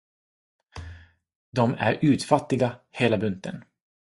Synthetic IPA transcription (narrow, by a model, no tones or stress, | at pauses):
d̪ɔmæ̰ɾʉ̟ːt̪fat̪ːɪɡaheːlabɵnt̪ə̰n